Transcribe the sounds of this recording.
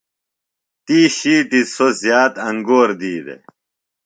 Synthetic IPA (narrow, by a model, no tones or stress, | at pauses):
t̪iːɕiːʈisozjaːt̪ɐŋɡoːɾd̪iːd̪ḛ